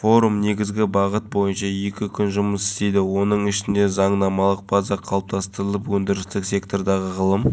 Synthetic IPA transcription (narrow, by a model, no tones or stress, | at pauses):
fo̞ɾumne̞ɡʲɪzɡʲɪbɑʁət̪̚bo̞jənʃɑje̞kʲɪkʲʰʏnʒʊməsɪ̥st̪e̞jd̪ɪwo̞nəɴɪʃɪnd̪e̞zɑɴnɑmɑlˠəq̚bɑzɑqʰɑlˠəp̚t̪ɑst̪əɾəlˠəpwɵnd̪ɪɾɪst̪ɪksʲe̞kt̪o̞rd̪ɑʁəʁəlˠəm